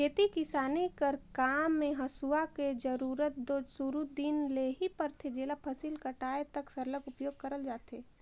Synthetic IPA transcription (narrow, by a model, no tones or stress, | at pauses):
kʰeːt̪ikɪsaːnikəɾkaːmːẽɦɐsuaked͡ʒɐɾuːɾət̪̚d̪oːd͡ʒsuɾud̪iːnleːɦipɐɾt̪ʰed͡ʒeːlapʰɐsiːlkɐʈaːet̪ɐksɐɾləkʊpjoːɡ̚kɐɾəld͡ʒaːt̪eː